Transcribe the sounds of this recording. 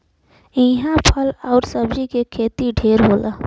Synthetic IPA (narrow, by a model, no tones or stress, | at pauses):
ĩɦãpʰəlɔːɾsəbd͡ʒikekʰeːt̪iɖʱeːɾɦoːlaː